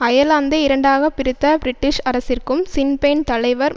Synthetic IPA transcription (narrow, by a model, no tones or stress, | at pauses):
ɐjɐlaːnd̪ɐɪɾɐɳɖaːɣɐpɪɾɪt̪ːɐbɾɪʈːɪʂɐɾɐsɪrkɯmsɪnpeːnt̪ɐlɐɪʋɐɾ